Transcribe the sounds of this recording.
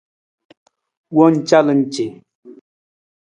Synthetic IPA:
wɔ˦n̩˨t͡ʃa˦lə˨n̩˨t͡ʃe˨

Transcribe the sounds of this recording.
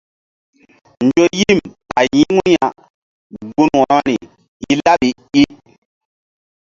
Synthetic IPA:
nd͡ʒo˦ji˦˨mpa˨ji˦ŋu˦ja˨ | ɡu˦nwɔ˨ɔ˦ni˨ | i˦la˦ɓi˨ | i˦

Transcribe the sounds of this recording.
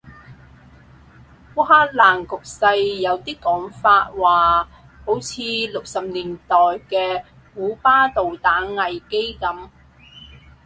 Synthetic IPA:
wuː˥haː˥laː˨˩ŋkʊ˨k̚sɐ˧jːɐ˨˧wt̪iː˥kɔː˨˥ŋfaː˧t̚waː˨ | ho˨˥wt͡sʰiː˨˧lʊ˨k̚sɐ˨p̚liː˨˩nt̪ɔː˨˩jkɛː˧ | kuː˨˥paː˥t̪o˨wt̪aː˨˥nŋɐ˨jke˥jkɐ˨˥m

